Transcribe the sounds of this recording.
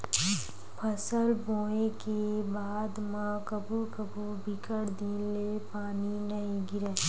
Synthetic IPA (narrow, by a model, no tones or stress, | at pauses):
pʰəsəlboːekebaːd̪mãkəbʱukəbu | bʱɪkəɽd̪iːlepaːninɐɦĩɡɪɾɛː